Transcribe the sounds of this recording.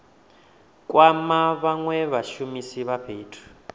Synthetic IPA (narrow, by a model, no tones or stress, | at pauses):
kʼwamaβaŋwɛβaʃumisiβaɸʰeːtʰu̥